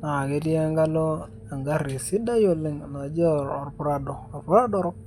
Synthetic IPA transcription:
na˨ke˨˦ti˦a˦ŋɡa˦lo˦ | a˨ŋɡa˦ɾi˨si˦da˦jo˦lɪ˦ŋ˨na˨˦d͡ʒɔ˦˨ɾɔ̰˨ɾpu˦ɾa˦do˨o˨pu˦ɾa˦dɔ˦ɾɔ˦k̚

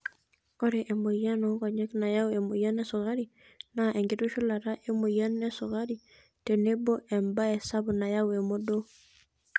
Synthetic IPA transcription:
o˦ɾeʔɛ˨mo˨ja˦nɔ˦kɔ˨ɲɛ˦kna˨ja˦wɛ˨mo˨ja˦nɛ˦so˨ka˦ɾi | naʔɛŋɡi˨tu˦ʃu˦la˨ɾa˦ʔe˦mo˨ja˦nɛ˦so˨ka˦ɾi | te˨ne˦bo˦ʔɛ˨mba˦ɛ˨sa˦bna˨jawɛ˨mo˦do˦

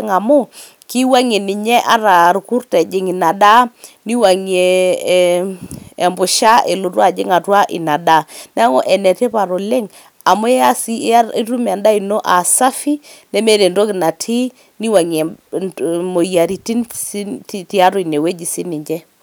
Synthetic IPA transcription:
ŋa˨mʊ˦ | ki˦wa˦ŋe˨nɪ˨ɲɛ˦ʔa˦ɾa˨ɾu˨ku˦rtɛ˨d͡ʒɪ˨ŋɪ˨na˨da˦ni˦wa˨ŋe˨ | mbʊ˨ʃa˦e˨lo˨twa˨d͡ʒɪ̰˦ŋa˨twa˦ʔɪ̰˨na˨da˦n˦a˦ŋo˦ʔɛ˨nɛ˨te˦pa˨ɾo˨le˦ŋ | a˨mo˦ɛ˦a˦si˦i˦ɾu˦m˨a˨nda˦i˨no˦ʔa˨sa˦fi˦nɛ˦me˦ɾe˨ndo˦kɪ˨na˨tʰi˦ | ni˦wa˨ŋɛ˨ | mo˨ja˨ɾi˨ti˦n˦tti˦a˦ɾo˨i˨ne˨we˦d͡ʒi˨si˦ni˨ɲd͡ʒɛ˦

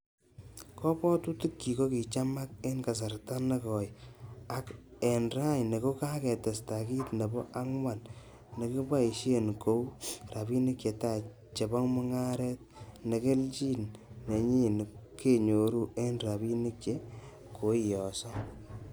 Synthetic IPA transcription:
kɔ˦pɔ˦tu˦tu˦kːi˨ko˦ki˨t͡ʃa˦ma˦k̚e˦nka˨s̬a˨rta˦ne˦kɔ˨ja˨ke˨nɾa˦jne˨ko˦ka˦kɛ˨tɛ˨sta˨ki˦tne˨bɔ˦ʔa˦ŋwa˨n | ne˨ki˦ba˦i˨ʃe˦nko˦wra˨bi˦ni˦kje˨ta˨ | t͡ʃe˨bɔ˦ŋmʊ˦ŋa˦ɾɛ˦t̚ne˨ke˦lt͡ʃi˦nːe˨ɲi˦n˨ke˦ɲo˨ɾu˦e˦nɾa˨bi˦ni˦kt͡ʃe˦ | ko˨˦i˨jɔ˨sɔ˦

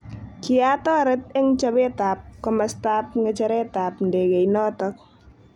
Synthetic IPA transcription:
kɪ˦a˦tɔ˦ɾɛ˦t̪ɛ˦ŋt͡ʃɔbɛ˦ta˨p̚kɔma˨sta˦p̚ŋe˨t͡ʃɔ˦ɾɛ˦ta˨pn̩de˨ɡe˨jnɔ˦tɔk̚

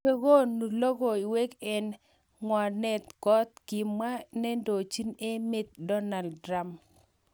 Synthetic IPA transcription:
e˦ɡo˦nu˨lo˦ɡo˨i˨we˦kɛ˦n | ŋwɔ˨nɛ˨t̪kɔ˦t̪̚ki˨mːa˦nɛ˦ndo˨t͡ʃi˦ne˦mɪ˦t̪̚dɔ˦na˨ldɾa˦m

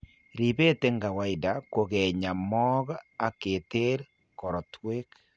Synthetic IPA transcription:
ɾi˨βe˦te˦ŋɡa˨wa˨ida˨ko˨ɣɛ˨ɲa˨mɔ˦ɣa˦˨ke˨te˦ɾ | kɔ˨ɾɔ˨twe˦k

